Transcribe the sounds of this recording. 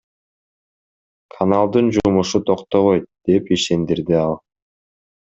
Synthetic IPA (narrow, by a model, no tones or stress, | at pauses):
kʰɐnalˠd̪ɯnd͡ʒumuʃut̪ʰoqt̪oβojt̪̚d̪̥e̞piʃe̞nd̪iɾd̪iɑlˠ